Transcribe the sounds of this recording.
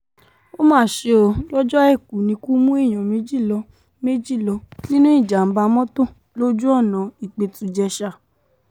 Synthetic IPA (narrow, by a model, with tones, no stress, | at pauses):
o˦mãː˦˨ʃe˧o˧lɔ˦d͡ʒɔ˦ɛ˦˨ku˨nĩ˧˦ku˦mũ˦e˦˨j̃ɔ̃˨me˨˦d͡ʒi˦˨lɔ˧˦ | me˦d͡ʒi˦˨lɔ˧˦nĩ˦nũ˦i˦˨d͡ʒa˨m̩˦ba˧mɔ̃˦tõ˦˨ | lo˦d͡ʒu˦ɔ˦˨nã˨i˨k͡pe˧tũ˨˧d͡ʒɛ˧ʃa˧˨